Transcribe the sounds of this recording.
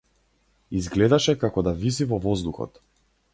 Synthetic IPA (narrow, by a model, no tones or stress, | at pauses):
izɡlɛd̪aʃɛkakɔd̪avizivɔvɔzd̪uxɔ̰t̪